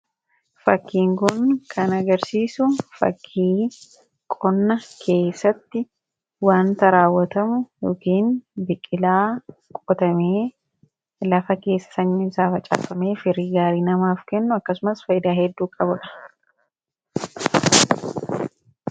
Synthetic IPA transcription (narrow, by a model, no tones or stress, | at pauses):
fɐkːiːŋkʊnkʰɐnɐɡɐɾsiːsʊfɐ̰kʰːiː | kʼɔnːɐkʰe̞ːsːɐt̪ːɪ | waːnt̪ɐɾaːwːɐt̪ɐmʊjoːkiːnbɪkʼːɪlaːkʼɔt̪ɐmeː | lɐfɐke̞ːsːɐ̥sɐɲːɪmsaːfɐt͡ʃʼa̰ːfɐmeːfɪɾiːɡaːɾiːnɐmaːfkɛnːʊɐkːɐsʊmɐsfɐjɪd̪aːɦɛd̪ːuːkʼɐbʊᶑɐ̥